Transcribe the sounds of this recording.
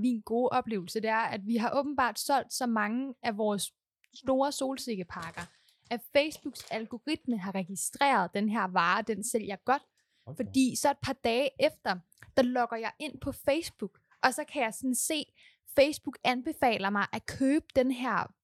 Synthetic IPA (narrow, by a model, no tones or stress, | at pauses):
minɡ̥o̝ːʔɒ̽b̥le̝ːʊl̩səd̥e̝æɐæd̥ʋiɦɑ̈ʔɔ̽ːb̥n̩b̥ɑ̰̈ːd̥sɒ̽l̰d̥sɒ̽mɑ̈ŋəæʋɒːs | sd̥o̝ːɐso̝ːlse̝ɡ̥əpʰɑ̈ɡ̥ɐ | ʔæfeɪsb̥uɡ̥sælɡ̥o̝ʁid̥̚məɦɑ̈ʁɛɡ̥isd̥ʁɛ̰ːɐð̞̩ˠd̥enɦeɐ̰ʋɑ̈ːd̥en̰sel̰jɑ̈ɡ̥ɒ̽d̥ | fɒ̽d̥ḭːsɒ̽e̝d̥̚pʰɑ̈d̥ɛːʔefd̥ɐ | d̥ɑ̈lɒ̽ɡ̥ɐjɑ̈ɪʔe̝n̰pʰɒ̽feɪsb̥uɡ̥ | ʔɒ̽sɒ̽kʰæjɑ̈ɪsɒ̽n̩se̝̰ː | feɪsb̥uɡ̥ænb̥e̝fɛ̰ːlɐmɑ̈ɪʔækʰøːb̥əd̥enɦæɐ̰